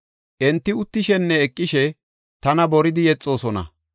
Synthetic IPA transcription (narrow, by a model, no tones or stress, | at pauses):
ʔɛnt̪ːɪʊt̪ːɪʃɛnːɛːkʼːɪʃɛ | t̪ɐnɐbɔɾɪd̪ɪjɛt͡sʼːo̞ːsɔnɐ̰